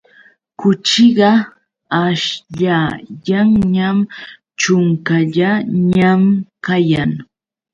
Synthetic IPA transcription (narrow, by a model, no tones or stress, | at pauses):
kʊt͡ʃɪɢɑ | aʃʎajaŋɲam | t͡ʃʊŋkaʎaɲamkajaŋ